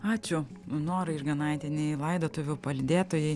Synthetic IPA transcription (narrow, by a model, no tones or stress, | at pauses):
ɑːt͡ʃʲʊ | noːɾɐɪrɡɐnɐɪt̪ʲɛnʲɛɪlˠɐɪd̪oːt̪ʊʋʲʊpɐlʲd̪ʲeːt̪oːjɛɪ